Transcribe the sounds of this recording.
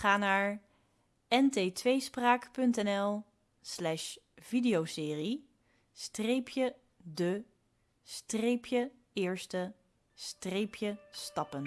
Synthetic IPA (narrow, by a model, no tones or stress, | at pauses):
χaːnaːɹ | ɛnteːtʋejspraːkpɵntɛnɛlˠ | slɛʃv̥idejowsɪːri | strejpʰjə | də | strejpʰjə | ɪːɹstə | strejpʰjəstɑpən